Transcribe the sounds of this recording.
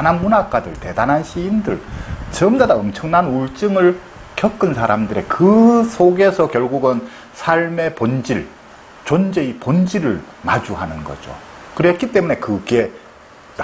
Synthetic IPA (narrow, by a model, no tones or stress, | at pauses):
nɦanmunak͈adɯɭte̞danɦanɕʰiːndɯɭt͡ɕʌmdadaʌmt͡ɕʰʌŋnanuɭt͡ɕ͈ɯŋɯɭ | kjʌk͈ɯnsʰaɾamdɯɾekɯsʰoɡe̞sʰʌkjʌɭɡuɡɯn | sʰaɭme̞pond͡ʑiɭ | t͡ɕond͡ʑeipond͡ʑiɾɯɭma̰d͡ʑuɦanɯnɡʌ̰d͡ʑo̰ | kɯɾet̚k͈it͈e̞mune̞kɯɡe̞ | n